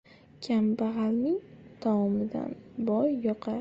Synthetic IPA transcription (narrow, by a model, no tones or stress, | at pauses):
kʲʰambaʁalmɪŋt̪ʰawɒmɪd̪a̰nbɒjːɒqʰɑ